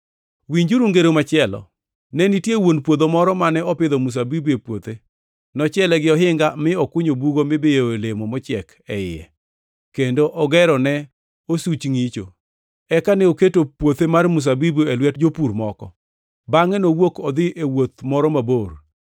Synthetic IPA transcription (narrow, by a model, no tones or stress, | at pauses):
wiɲd͡ʒuɾuŋɡeɾomat͡ʃɪɛlɔ̰ | nɛnitjewonpwod̪omɔɾɔmanɛɔpɪd̪ɔmus̬abibuepwot̪e | nɔt͡ʃɛlɛɡɪɔɦɪŋɡamɪɔkʊɲobuɡomɪbɪjoelemomɔt͡ʃɪɛk | ɛɪɛ̰ | kendoʔɔɡɛɾɔnɛ | osut͡ʃŋit͡ʃo̰ | ɛkanɛoketopwot̪emarmus̬abibuelwɛtd͡ʒopuɾmɔkɔ̰ | baŋɛnowokɔd̪ɪʔewot̪̚mɔɾɔmabor